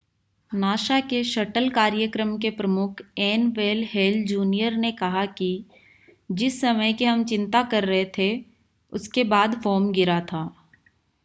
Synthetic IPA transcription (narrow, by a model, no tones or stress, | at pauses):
naːʃakeʃɐʈəlkaːɾjəkɾəmkepɾɐmʊkʰɛːnʋeːlɦeːld͡ʒuːnijəɾnekɐɦaki | d͡ʒɪsːɐməjkiɦɐmt͡ʃɪ̃nt̪akɐɾːɐɦet̪ʰe | ʊskebaːd̪fɔːmɡɪɾat̪ʰaː